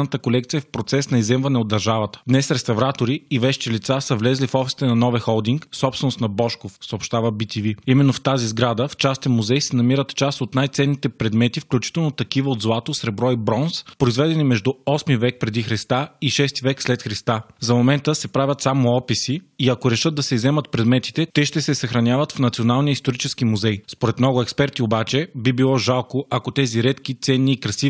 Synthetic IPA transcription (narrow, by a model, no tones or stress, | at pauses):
nət̪əkolɛkt̪sijɛfpɾot̪sɛsnɐizɛmvɐnɛod̪ːɐɾʒavət̪ə̥d̪nɛsɾɛst̪ɐvɾat̪oɾiivɛʃt͡ʃ̪ilit̪sasəvlɛzlifɔfst̪ɛnɐnɔvɛxɔlˠd̪iŋksɔpst̪vɛnost̪nɐbɔʃkofsəopʃt̪avəbit̪iviimɛnːoft̪azizɡɾad̪əft͡ʃast̪ɛnmuzɛjsɛnɐmiɾət̪t͡ʃast̪ot̪najt̪sɛnːit̪ɛpɾɛd̪mɛt̪ifklʲut͡ʃi̥t̪ɛlˠnot̪ɐkivəod̪zlˠat̪osɾɛbɾɔibɾɔnspɾoizvɛd̪ɛnimɛʒd̪ʊɔsmivɛk̚pɾɛd̪ixɾɛst̪aiʃɛst̪ivɛkslɛt̪xɾist̪azɐmomɛnt̪əsɛpɾavʲət̪samoɔpisiːɐkoɾɛʃɤd̪̚d̪ɐsɛizɛmət̪pɾɛd̪mɛt̪i̥t̪ɛt̪ɛʃt̪ɛsɛsɐxɾɐnʲjavət̪fnɐt̪sionalˠnijəist̪oɾit͡ʃɛsk̟imuzɛjspoɾɛt̪mnɔɡʊɛkspɛɾt̪iobat͡ʃɛbibilˠɔʒalˠkoʔɐkot̪ɛziɾɛt̪kit̪sɛnːiːkɾɐsiv